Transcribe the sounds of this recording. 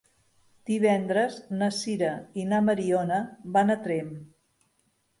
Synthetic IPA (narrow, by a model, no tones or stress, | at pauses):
d̪̥iβ̞ɛnd̪ɾəznəsiɾəinaməɾionəbanət̪ɾem